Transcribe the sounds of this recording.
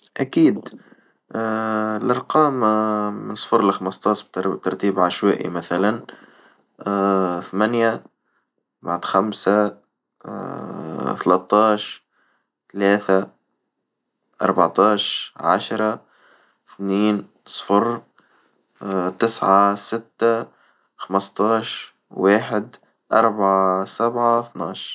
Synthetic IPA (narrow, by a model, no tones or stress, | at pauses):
ʔækiːd̪ | lʔɑɾˤqɑːm | nsˤfʊɾlɪxaməst̪ˤɑːʃb̚t̪t̪ɑɾˤt̪iːbʕaʃwæ̰ːʔḭmæθælan | θmænja | baʕd̪xamsa | t̪alæt̪ˤːɑːʃ | t̪alaːθa | ʔɑ̰ɾˤbaʕt̪ˤɑːʃʕa̰ʃɾˤɑ | θniːn | sˤfɑɾ | t̪ɪsʕasɪt̪ːa | xaməst̪ˤɑːʃ | waːħɪd̪ | ʔɑɾˤbaʕasabʕaθnɑːʃ